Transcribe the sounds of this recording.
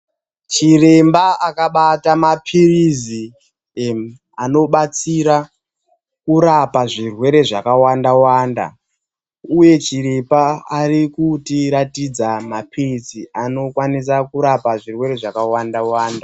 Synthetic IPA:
t͡ʃire̞mbaakaɓatamapʰirizi | ano̞ɓat͡siɾa | kuɾapaʐirwe̞ɾe̞ʐakawandawaːnda̰ | uje̞t͡ʃiɾepaːrikutiɾatid͡zamapʰiriziano̞kwanis̬akuɾapaʐirwe̞ɾe̞ʐakawandawaːnda

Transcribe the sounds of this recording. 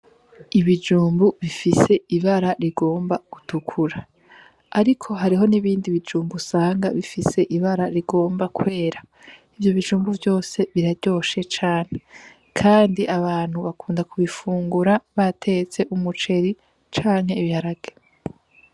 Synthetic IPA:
iβid͡ʒuːmbuβifise̞iβaɾaɾiɡo̞ːmbaɡ̥utʰukʰuɾaː | ɾikʰo̞ɦaɾiɦo̞niβiːndiβid͡ʒuːmbusaːŋɡaβifise̞ʔiβaɾaɾiɡo̞ːmbakwe̞ːɾaivjo̞βid͡ʒuːmbuvjo̞ːse̞βiɾaɾɟo̞ːʃe̞t͡ʃaːn̥e̞ | kʰaːndiʔaβaːn̥huβakʰuːndakʰuβifuːŋɡuɾaβatʰe̞t͡se̞ʔumut͡ʃe̞ɾi | t͡ʃaːŋhe̞iβihaɾaɡ̥e

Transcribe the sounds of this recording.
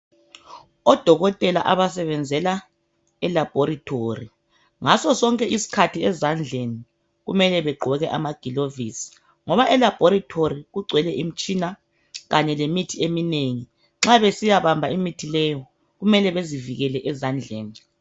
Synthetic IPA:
ɔd̥ʱɔɣɔtʼɛla̰ʔaβasɛβɛnd͡zʱɛla | ɛlab̥ʱoɾitʰori | ŋasɔsɔŋkʼɛisi̥kʰatʰiɛzand͡ɮʱeni | ɣumɛlɛβɛɡ͡ǃʱɔɣɛʔa̰maɡ̥ʱilovisi̥ | ŋɔβaʔɛlab̥ʱɔɾitʰoɾiɣuɡ͡ǀʱwɛlɛʔim̩t͡ʃʼina | ɣaɲɛlemitʰiemineŋi | ŋ͡ǁaβesijaβambʱaimitʰilɛjɔ | ɣumɛlɛβeziviɣɛlɛʔɛzand͡ɮʱeːni

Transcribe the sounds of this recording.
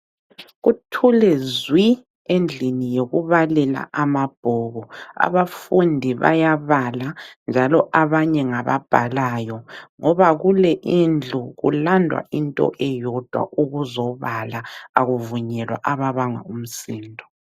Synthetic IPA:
ɣutʰulɛzwi | end͡ɮʱinijoɣuβalɛla̰amab̥ʱɔɣɔa̰βafundʱiβa̰jaβaland͡ʒʱalɔʔaβaɲɛŋaβa̰b̥ʱalaːjɔŋɔβaɣulɛʔind͡ɮʱuɣṵlandʱwa̰ʔintʼɔ̰ʔɛjɔd̥ʱwa̰ʔuɣuzɔβalaaɣuvuɲɛlwa̰ʔaβaβaŋa̰um̩siːndʱɔ

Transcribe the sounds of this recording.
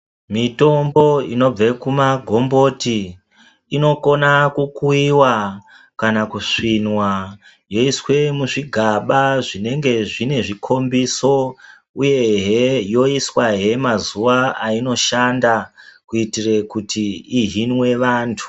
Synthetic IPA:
mito̞mbo̞ino̞b͡vekumaɡʱo̞mbo̞ti | ino̞ko̞nakukuiwa | kanakuʂinwa | jo̞iswe̞muʐiɡʱaɓaʐine̞ŋɡe̞ʐine̞ʐikʰo̞mbiso̞ | uje̞ɦejo̞iswaɦe̞mazuʋaaino̞ʃandakuitire̞kutiːɦinwe̞ʋaːntʰu̥

